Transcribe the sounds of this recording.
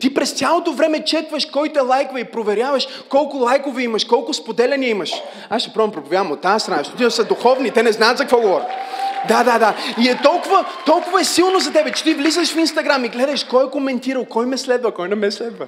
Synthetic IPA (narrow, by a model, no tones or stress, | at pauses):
t̪ipɾɛst̪sʲalˠot̪ovɾɛmɛt͡ʃɛt̪vəʃkɔjt̪ɛlˠajkvɐipɾovɛɾʲjavəʃkɔlˠkʊlˠajkovɛiməʃkɔlˠkʊspod̪ɛlɛniəimɐʃ | aʃʃt̪ɛ̥pɾɔvəmpɾopovjavəmot̪ːaɐst̪ɾɐnaʃt̪ot̪ɛsəd̪uxɔvnit̪ɛnɛznaːt̪zɐkvɔɡovɔɾit̪d̪ad̪ad̪aiɛt̪ɔlˠkʊvət̪ɔlˠkʊvɐɛsilˠnozɐt̪ɛbɛt͡ʃɛ̥t̪ivlizəʃfinst̪ɐɡɾamiɡlɛd̪ɐʃkɔɛkomɛnt̪iɾəlˠkɔjmɛslɛd̪vəkɔjnɛmɛslɛd̪və